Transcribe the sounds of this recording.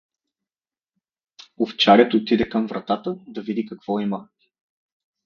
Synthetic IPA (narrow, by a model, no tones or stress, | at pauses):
oft͡ʃaɾʲɛt̪ot̪id̪ɛkɐmvɾɐt̪at̪əd̪ɐvid̪ikɐkv̥ɔimə